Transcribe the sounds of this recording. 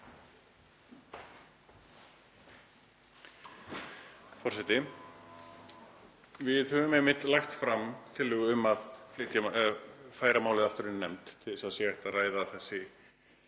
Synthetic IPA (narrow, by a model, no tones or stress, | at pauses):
fɔrsɛt̪ɪ | vɪðhœvʏmɛmːɪt̪laxt̪fɾamt̪ʰɪlːɛɣʏʏmːaðflɪht̪ja | faːjɾamaːwlɪðaft̪ʏɾɪnnːɛmt̪t̪ʰːɪlɪsaðsjɛɛht̪araːjðaːθɛsːɪ